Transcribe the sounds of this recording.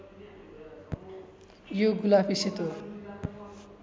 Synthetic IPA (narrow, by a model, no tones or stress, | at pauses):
joɡulapʰiset̪o